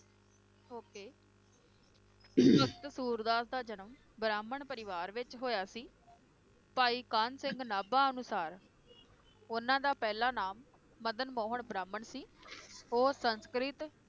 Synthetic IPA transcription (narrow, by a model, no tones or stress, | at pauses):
ɦoːkeː | sʊɾəkt̪suːɾd̪aːsd̪aːd͡ʒənəm | bɾaːməɳpəɾɪʋaːɾʋɪt͡ʃɦoːjaːsiː | paːiːkaːnsɪŋɡnaːbaːənʊsaːɾ | ʊnãːd̪aːpɛːlaːnaːmː | əd̪ənmõːɦəɳbɾaːmːəɳsiːoːsənskɾɪt̪